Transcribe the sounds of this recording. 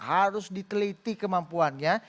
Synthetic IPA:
haɾʊsdit̪əlit̪ikəmampuanɲa

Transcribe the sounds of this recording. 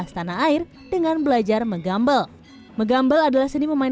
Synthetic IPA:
ast̪anaːɪr | dəŋanbəlad͡ʒarməɡambal | məɡambaladalahsəniməmain

